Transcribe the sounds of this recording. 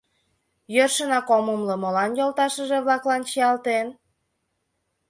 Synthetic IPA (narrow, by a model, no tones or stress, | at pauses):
jørʃənɑkoməmlə̆mɤ̆lɑnjolt̪ɑʃəʒeβlɑklɑnt͡ɕiɑlt̪en